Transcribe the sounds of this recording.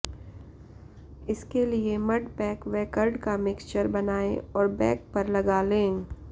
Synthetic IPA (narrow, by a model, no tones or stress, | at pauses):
ɪskeliemɐɖpɛːkʋɛːkəɾɖkamɪkst͡ʃəɾbɐnaːeɔːɾbɛːk̚pɐɾlɐɡalẽː